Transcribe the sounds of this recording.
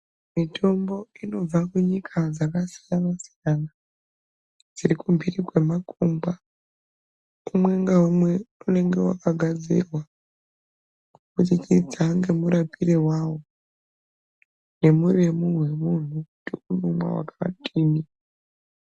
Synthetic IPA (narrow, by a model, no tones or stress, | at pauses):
mitʰo̞mbo̞ino̞b͡vakuɲikʰad͡zakasijamasijana | d͡zirikumbirikwe̞makumba | umwe̞ŋɡaumwe̞une̞ŋɡe̞wa̰kaɡʱad͡zḭrwa | kutit͡ʃid͡zaŋɡe̞muɾapiɾewaːwo̞ | ne̞muremuwe̞mun̤uktiunumwa̰wa̰kaʋa̰tʰʼiːmi